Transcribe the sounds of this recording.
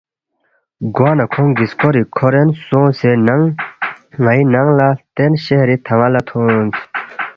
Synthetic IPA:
ɡonakʰoŋɡiskoɾikʰoɾensoŋsenaŋ | ŋajinaŋlat̪enɕeɾet̪ʰaŋalat̪ʰot

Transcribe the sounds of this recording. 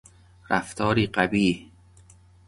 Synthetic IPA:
ɾæft̪ʰɒːɾiːɢæbiːh

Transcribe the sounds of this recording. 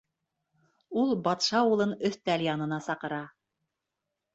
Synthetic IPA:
ulˠbɑt̪ʃɑulˠɤnɵθt̪æljɑnɤ̆nɑsɑqɤ̆ɾɑ

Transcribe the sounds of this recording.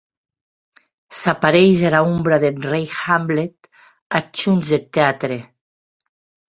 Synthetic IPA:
sapaɾejʒalaombɾaðenrejxamblet̪ | at͡ʃunzðet̪ːeat̪ɾe

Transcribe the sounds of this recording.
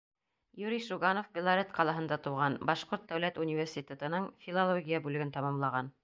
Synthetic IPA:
juɾʲiʃuɡanofbʲɪlˠaɾʲet̪qɑlˠɑɦɤ̆nd̪ɑt̪uʁɑnbɑʃqoɾt̪̚d̪æwlæt̪unʲivʲersʲit̪ʲet̪ɤ̆nɤɴfʲilˠalˠoɡʲijabʉlɘ̆ɡɘnt̪ɑmɑmlˠɑʁɑn

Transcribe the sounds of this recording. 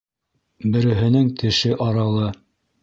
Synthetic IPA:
bɘ̆ɾɘ̆ɦɘ̆nɘŋt̪ʰɘ̆ʃɘʔɑɾɑlˠɤ

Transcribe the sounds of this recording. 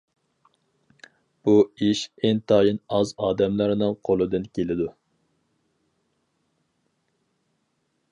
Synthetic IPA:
b̥uiʃeŋt̪ʰɑːjinɑzɑːd̪ɛmlˠɑɾnɨŋqʰolˠɨd̪ɨnkʲʰelɪd̪u

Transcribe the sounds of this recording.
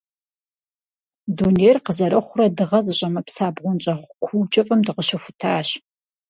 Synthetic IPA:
dunejrqəzɐɾɐχʷʊrɐdɨʁɐzɨɕʼɐmɐpsaːbʁʷʊnt͡ʃʼɐχʷkʷʰuwt͡ʃʼɐfʼɐmdɨʁəʃɐxʷʊtʰaːɕ

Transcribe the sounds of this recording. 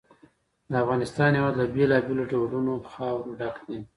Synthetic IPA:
d̪əafɣɑnɪst̪ɑnjawɑd̪ləbelɑbeloɖawɖunoxɑwɾoɖaknin

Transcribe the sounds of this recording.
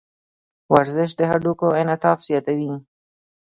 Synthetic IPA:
waɾzɪʃ̬d̪əɦaɖukoɪnat̪ɑfz̥jɑt̪awi

